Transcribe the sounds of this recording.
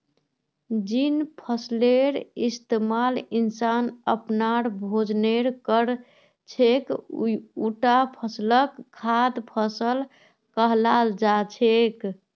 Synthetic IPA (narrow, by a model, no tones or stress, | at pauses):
d͡ʒinpʰəsleɾist̪emalinsanəpnaɾbʱod͡ʒneɾkəɾ | t͡ʃʰek | uʈapʰəsləkʰːad̪pʰəsəl | kəɦlald͡ʒat͡ʃʰek